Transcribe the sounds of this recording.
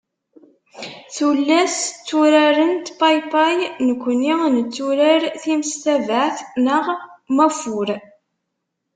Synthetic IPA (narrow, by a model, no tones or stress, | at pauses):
θulːæst͡sːuɾæɾənt̪pajpajnəkʷːəninət͡sːuɾəɾθimst̪ævəʕθnəʁmæfuɾ